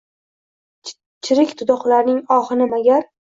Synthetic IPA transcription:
t͡ʃʰɪɾɪkʲt̪ʰʊd̪ɒχlaɾnɪŋɒhɨnɪmaɡʲaɾ

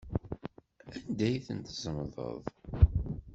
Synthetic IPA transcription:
ænd̪æjθənt̪zəmðˤə̰ðˤ

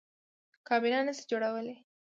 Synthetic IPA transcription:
kɑbinɑnəsi̥d͡ʒoɽawəle

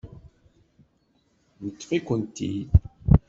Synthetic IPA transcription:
nət̪ːfikʷənt̪ːḭ

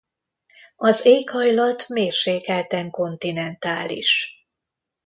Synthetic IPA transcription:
ɒzeːkhɒjlɒt̪meːrʃeːkɛlt̪ɛŋko̞nt̪inɛnt̪aːlḭʃ

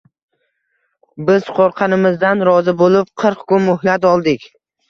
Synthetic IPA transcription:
bɪzqʰoɾqʰɑnɪmɪzd̪anɾɒzɪbolɪp̚qʰɨɾqkʰʊnmʊhlat̪ɒlˠd̪ɪkʲ

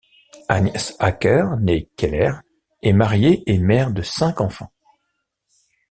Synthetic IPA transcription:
anjɛsakʲœʁnekʲɛlɛʁ | ɛmaʁjeʔemɛʁd̪əsɛ̃kɑ̃fɑ̰̃

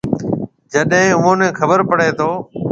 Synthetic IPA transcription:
d͡ʒəɗɦɪ̃ːʊmõːnẽːkʰəbəɾpəɽeːt̪ʰoː

